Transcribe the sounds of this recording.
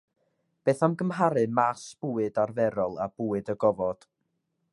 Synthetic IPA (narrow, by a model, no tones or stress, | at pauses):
b̥eːθamɡəmɦaɾɨmasb̥uːɨdarvɛɾɔlˠa̰b̥uːɨdəɡɔvɔd̥